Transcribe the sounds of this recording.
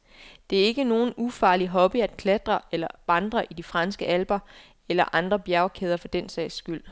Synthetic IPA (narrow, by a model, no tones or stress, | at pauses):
d̥e̝æɐe̝ɡ̥əno̝ːn̩ufɑ̈ːliɦɒ̽b̥iæd̥kʰled̥ʁɐelɐʋɑ̈nd̥ʁɐʔidifʁɑ̈nsɡ̥əʔælb̥ɐ | elɐʔɑ̈nd̥ʁɐb̥jæɐʊkʰeːð̞ˠɐfɒ̽d̥en̰sɛ̰ːɪsːɡ̥yl̰